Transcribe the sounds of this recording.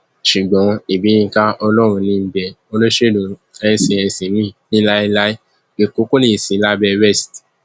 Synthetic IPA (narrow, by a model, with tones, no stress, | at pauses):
ʃu˨ɡ͡bɔ̃˨˦i˨bi˨˦jĩ˧˦ka˦ɔ˧lɔ˦ɾ̃ũ˧nĩ˧˦bɛ˨ | o˧lo˦ʃe˦˨dũ˨ | ɛ˧˦sĩ˧ɛ˧sĩ˨˦mĩ˦˨nĩ˦la˦i˦la˦i˦ | e˨ko˦ko˦nĩ˦i˨sĩ˨˦la˦bɛ˧wɛ˦˨st